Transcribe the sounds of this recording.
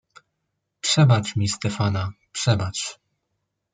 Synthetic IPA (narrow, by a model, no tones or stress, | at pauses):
pʂɛbat͡ʂmʲist̪ɛfana | pʂɛbat͡ʂ